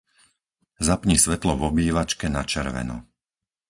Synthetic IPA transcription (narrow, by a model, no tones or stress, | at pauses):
zapɲisʋɛt̪lɔvɔbiːʋat͡ʃkɛnat͡ʃɛɾʋɛ̰nṵ